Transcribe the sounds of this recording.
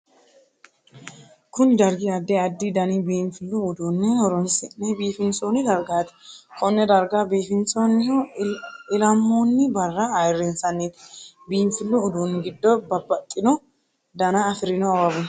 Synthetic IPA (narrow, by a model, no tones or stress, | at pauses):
kʊnd̪ɐɾɡɪɐd̪ːɛɐd̪ːid̪ɐnibiːnfɪlːuʊd̪uːnːɛhɔɾɔnsɪʔɛbiːfɪnsoːnɪd̪ɐɾɡaːt̪ɛ̥kɔnːɛd̪ɐɾɡaːbeːfɪnsonːɪh | ɪlɐmːonːɪbɐrːɐɐjɪrːɪnsɐnːiːt̪ | biːmfɪlːʊːd̪uːnːɛɡɪd̪ːɔbɐbːɐtʼːɪnɔ | d̪ɐnaːɐfɪɾɪnɔɐwɐbʊn